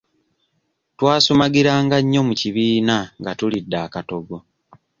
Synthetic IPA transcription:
twaːsomaɡiɾaːŋɡaɲːo̞muciβiːnaŋɡatulidːaːkato̞ɡo̞

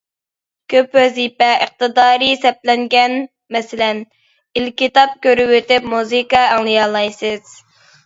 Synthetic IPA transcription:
kʲʰøpwɛzipɛʔəq̚t̪ɨd̪ɑːɾisɛp̚lɛŋɡʲɛn | mɛsɪlɛn | ilkʲit̪ɑp̚kʲøɾɪwøt̪ɪpmuzɨkɑːŋlˠɨjɑlˠɑjsɨz̥

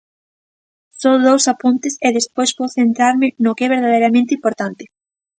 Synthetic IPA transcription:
soðowsapunt̪ɪseðespojspoθent̪ɾaɾmɪnʊkeɛβ̞eɾð̞aðejɾamẽnt̪impoɾt̪ant̪ɪ

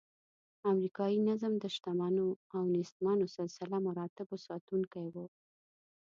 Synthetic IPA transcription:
amɾikɑjinazəmd̪əʃt̪amɑnoawnɪst̪mɑnosɪlsɪlamaɾɑt̪ɪbosɑt̪uŋkajwo

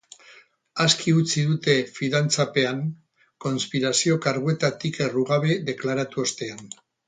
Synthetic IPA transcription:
askiut͡siðut̪e̞fiðant͡sape̞aŋ | ko̞nspiɾasio̞kaɾɣue̞t̪at̪ike̞ruɣaβe̞ðe̞klaɾat̪uost̪e̞an

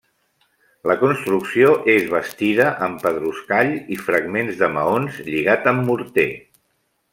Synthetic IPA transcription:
ləkunst̪ɾuksioʔezβəst̪ið̞əʔəmpəðɾuskaʎifɾəɡmenzðəmə̰onzʎiɣat̪əmːuɾt̪e

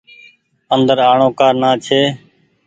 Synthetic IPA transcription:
ənd̪əɾaːɳõːkaːɾnaːt͡ʃʰeː

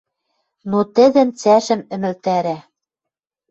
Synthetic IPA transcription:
not̪ɘ̆d̪ɘ̆nt͡sæʃɘ̆mɘ̆mɘ̆lt̪æɾæ

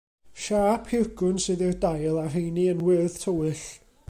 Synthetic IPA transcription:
ʃaːpʰɪɡʊnsɨːðɪrdajlˠar̥ejniənwɨð̥tʰəwɨɬ

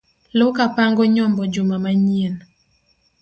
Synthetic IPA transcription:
lʊkapaŋɡɔɲɔmbɔd͡ʒumamaɲien

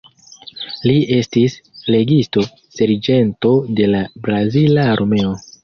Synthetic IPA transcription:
lie̞stisle̞ɡisto̞ | se̞ɾd͡ʒe̞nto̞de̞labɾazilaɾʔome̞o̞

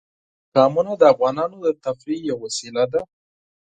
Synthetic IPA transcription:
kɑmunad̪əafɣɑnɑnod̪ət̪afɾijawasilad̪a

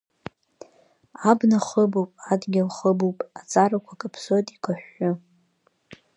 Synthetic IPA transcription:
abnaχəbuwpʼadɡʲalχəbupʼat͡sʼaɾakʷʰakʼapʰsotʼikʷʰaħːʊ

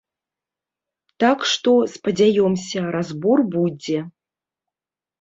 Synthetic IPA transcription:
t̪akʂt̪ɔspɐd͡zʲajɔmsʲɐɾazbɔrbud͡zʲɛ

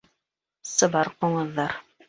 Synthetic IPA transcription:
sɤ̆bɑɾquɴɤ̆ðːɑɾ

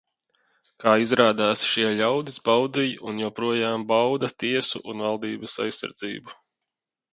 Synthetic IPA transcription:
kaːizɾaːd̪aːsʃiɛʎawd̪isbawd̪ijunjɛpɾuɔjaːmbawd̪at̪iɛsṵʔunvalˠd̪iːbɐsa̰jsːa̰ɾd̪zḭːbu

